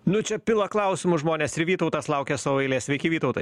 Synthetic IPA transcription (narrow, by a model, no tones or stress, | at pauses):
nʊt͡ʃʲɛpʲɪlˠɐklˠɐˑʊsʲɪmʊʒmoːnʲeːsɪɾʋʲiːt̪ɐʊt̪ɑslˠɐʊkʲeːsɐʋoɛɪlʲeːsʲʋʲɛɪkʲɪʋʲiːt̪ɐʊt̪ɐɪ